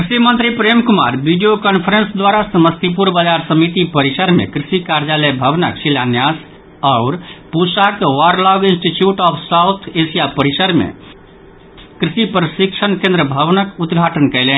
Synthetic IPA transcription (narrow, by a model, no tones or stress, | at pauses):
kɾisimənt̪ɾipɾemkuma̰ɾbiɖijokənpʰəɾənsd̪waɾasəməst̪ip̬uɾbəd͡ʒaɾsəmit̪ipəɾisəɾmḛkɾisikaɾd͡ʒaləjbʱəʋnə̰ksilanjas | aʊɾpusakwaɾlɔɡinsʈiʈjuʈɔpʰsaʊt̪ʰesijapəɾisəɾmḛ | kɾisipɾəsikt͡ʃʰənkẽnd̪ɾəbʱəʋnəkut̪ɡʱaʈənkəɪlɛn